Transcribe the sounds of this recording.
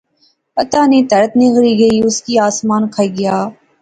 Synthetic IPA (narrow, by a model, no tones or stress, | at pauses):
pət̪aːnĩːt̪əɾət̪nĩːɣəɾiːɡəiːʊskiːaːsmaːnkʰəiːɡɪjaː